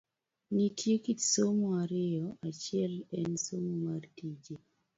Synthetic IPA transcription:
nitʰjekitsomaɾɪɔʔat͡ʃɪɛlɛnsommartid͡ʒe

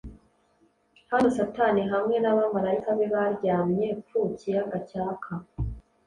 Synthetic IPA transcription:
hanosataniɦamŋe̞naβamaɾaikaβeβaɾɟaːmɲe̞fucijaɡacaːkʰa

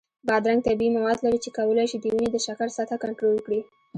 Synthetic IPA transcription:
bɑd̪ɾaŋɡ̚t̪abimawɑd̪laɾit͡ʃekawəlajʃid̪əwinid̪əʃakaɾsat̪ʰakaɳʈɾolkɽi

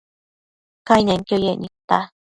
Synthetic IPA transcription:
kainẽŋkʲjojeɲʲit̪ːa

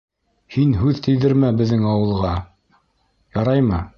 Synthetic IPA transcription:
hinɦʉðt̪ʰɘ̆jðɘɾmæbɘ̆ðːɘŋɑwɤ̆lˠʁɑ | jɑɾɑjmɤ

